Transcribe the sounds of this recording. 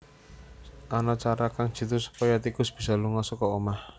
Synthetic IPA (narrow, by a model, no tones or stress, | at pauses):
ʔanat͡ʃaɾakaŋ̥ʒ̥i̤t̪usu̥pɔjat̪ikʊsb̥i̤saluŋɔsɔkɔomah